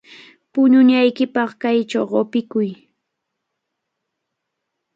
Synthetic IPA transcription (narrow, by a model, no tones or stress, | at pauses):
pʊɲʊɲajkɪpɑχkajt͡ʃawɢopɪkʊj